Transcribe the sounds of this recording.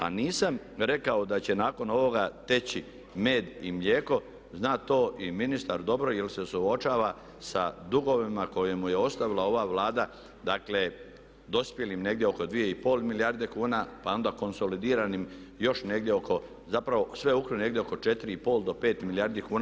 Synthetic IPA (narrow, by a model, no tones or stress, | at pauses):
a̰niːsam | ɾe̞kaod̪at͡ɕe̞naːko̞no̞ʋo̞ɡat̪e̞t͡ɕi | me̞ːd̪imʎe̞ːko̞ | znaːt̪o̞ːʔiminist̪aɾd̪o̞bɾo̞jelse̞suot͡ʃaːʋa | sa̰d̪uɡo̞ʋimako̞je̞muje̞o̞st̪aʋilao̞ʋaʋlaːd̪a | d̪akle | d̪o̞spje̞limne̞ɡd̪ʲjeo̞ko̞d̪ʋije̞ipo̞ːlˠmilijaɾd̪e̞kuːnapao̞nd̪ako̞nso̞lid̪iːɾanim | jo̞ʃne̞ɡd̪jeo̞kʰo̞ | zapɾaʋo̞sʋe̞ukɾine̞ɡd̪jeoko̞t͡ʃe̞t̪iɾiipo̞ːlˠd̪o̞pe̞ːt̪milijaɾd̪ikuːna